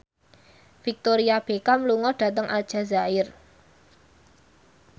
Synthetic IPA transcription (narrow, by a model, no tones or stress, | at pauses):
fik̚t̪oɾiab̥ekamluŋɔɖ̥ä̤t̪əŋʔad̥ʒ̥ä̤zaɪr